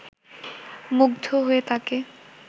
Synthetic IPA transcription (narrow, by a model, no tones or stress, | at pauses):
muɡd̪ʱoɦoet̪ake